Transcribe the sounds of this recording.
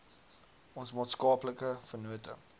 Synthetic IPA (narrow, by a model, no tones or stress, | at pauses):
ɔnsmɑːtskɑːpləkəfərnuətə̰